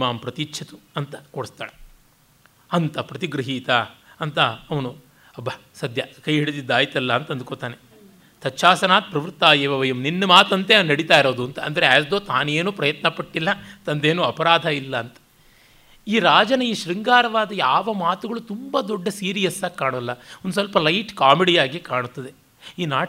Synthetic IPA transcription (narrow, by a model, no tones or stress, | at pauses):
maːmpɾɐt̪it͡ʃːʃʰɐt̪uɐnt̪ɐ̥koɽist̪a̰ːɭe | ɐnt̪ɐpɾɐt̪iɡɾɐɦiːt̪aɐnt̪ɐːʋɐnu | ɐbʱːɐ | sɐd̪ʱjɐkɐjɦiɽt̪id̪ːaːjit̪ɐlːɐːnt̪ɐnd̪ukoːt̪aːne | t̪ɐtːʃʰaːsɐnaːt̪̚pɾɐʋɾt̪ːaːjeːʋɐʋɐjɐmninːumaːt̪ɐnt̪ennɐɽit̪aːiɾo̞ːd̪uɐnt̪ɐɐnd̪ɐɾeaːsd̪oːt̪aːneːnuːpɾɐjɐt̪nɐpɐʈːilːɐt̪ɐnd̪eːnuːɐpɐɾaːd̪ʱɐilːɐːnt̪ɐ̥ | iːɾaːd͡ʒɐnɐiːʃɾiŋɡaːɾɐʋaːd̪ɐjaːʋɐmaːt̪uɡɐɭut̪umbɐd̪ɔɖːɐsiːɾijɐsːɐːkːaːɳɐlːɐond̪usɐlpɐlɐjʈkaːmeɽijaːɡikaːɳut̪ːɐd̪e̞ | iːnaː